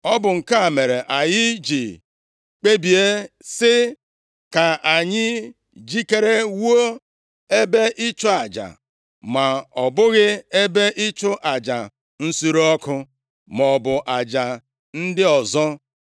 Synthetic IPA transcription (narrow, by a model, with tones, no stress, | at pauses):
ɔ˦bʊ˨ŋ̩˨ka˦a˨me˨ɾe˨ʔa˨jɪ˦d͡ʒi˨ | k͡pe˦bi˨e˦sɪ˦ | ka˨a˨ɲɪ˦ | d͡ʒi˦ke˦ɾe˦wo˦ | e˦be˦ʔi˦t͡ʃʊ˦a˨d͡ʒa̰˨ | ma˨ɔ˨bʊ˦ɣɪ˦e˦be˦ʔɪ˦t͡ʃʊ˦ʔa˨d͡ʒa˨ | n̩˦su˦ɾɔ˦kʊ˦ | mɔ˨bʊ˨ʔa˨d͡ʒa˨ | n̩˦dɪ˦ɔ˨zɔ˦